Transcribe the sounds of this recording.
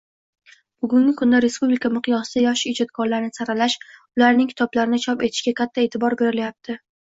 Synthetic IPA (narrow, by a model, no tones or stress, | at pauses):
b̥ʊɡʊŋɡʲɪkʰʊnd̪aɾe̞spublɪkʰamɨqʰɨjɒsɪd̪ajɒʃɪɪd͡ʒɒt̪̚kʰɒɾlaɾɪnɪsaɾalaʃʊlaɾnɪŋkʰʲɪ̥t̪ʰɒblaɾɪnɪt͡ʃʰɒpe̞t̪ʰɪ̥ʃɡʲakʲʰat̪ʰːae̞t̪ʰɪbɒɾbe̞ɾɪljap̚t̪ʰɪ